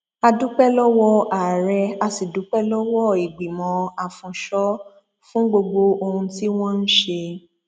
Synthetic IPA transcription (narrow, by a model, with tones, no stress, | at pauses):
a˧du˦k͡pɛ˦lɔ˦wɔ˦a˨ɾɛ˧a˧si˨du˨˦k͡pɛ˦lɔ˦wɔ˦˨i˨ɡ͡bi˨mɔ̃˨˧˦a˨fũ˨ʃɔ˦ | fũ˦ɡ͡bo˧ɡ͡bo˧o˧hũ˧ti˦w̃ɔ̃˦n̩˦ʃe˧